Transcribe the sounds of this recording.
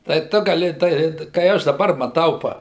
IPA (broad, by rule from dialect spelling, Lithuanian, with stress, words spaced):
tɐɪ ˈtʊ ɡɐˈlʲɪ tɐɪ kɐɪ ˈɐʃ dɐˈbɐr mɐˈtɐʊ ˈpɐ